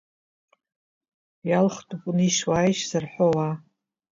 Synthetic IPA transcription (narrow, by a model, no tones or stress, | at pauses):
jalχtʼupʼuniʃwajʃsarħʷowa